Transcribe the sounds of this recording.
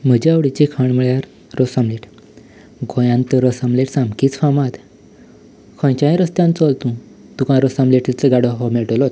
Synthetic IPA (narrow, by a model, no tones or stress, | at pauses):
m̤əd͡ʑeaʋɽit͡ɕekʰaɳməɭjaɾ | ɾosamleʈ | ɡojãnt̪əɾəsamleʈsãmkiːt͡sfamãt̪ | kʰɔ̃jt͡ɕãĩɾəst̪jãnt͡sɔlt̪ũ | t̪ukãɾɔsamleʈilt͡səɡaɽɔɦomeɭʈolot̪